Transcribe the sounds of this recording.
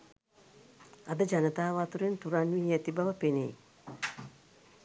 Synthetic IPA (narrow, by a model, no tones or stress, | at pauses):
ad̪əd͡ʒanət̪aːʋat̪uɾent̪uɾanʋiɛt̪ibaʋəpenḛj